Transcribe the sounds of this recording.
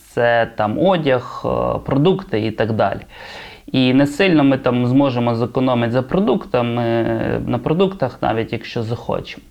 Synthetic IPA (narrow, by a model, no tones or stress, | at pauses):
t̪sɛt̪ɑmɔdʲɐxpɾɔd̪ukt̪ɪit̪ɐɡd̪ɑ̰lʲi | inɛsɪlʲnɔmɪt̪ɑmzmɔʒemɔzɐkɔnɔmɪtʲzɐpɾɔd̪ukt̪ɐmɪnɐpɾɔd̪ukt̪ɐxnɑ̰ʋʲitʲjɐkʃt͡ʃɔzɐxɔ̰t͡ʃe̥mɔ